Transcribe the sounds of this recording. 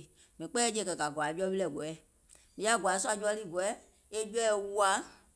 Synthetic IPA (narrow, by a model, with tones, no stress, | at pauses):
mĩ˨˦k͡pɛː˦e˧˨kɜ˨ɡa˨ɡwa˨˦d͡ʒɔ˦i˦lɛ˨ɡɔ˨ɛ˦˨ | mĩ˨ja˦˨ɡa˨˦su˦a˧˨d͡ʒu˦ɔ˦liː˦˨ɡɔ˨ɛ˦ | e˦d͡ʒɛ˦ɛ˦˨wu˦a˧˦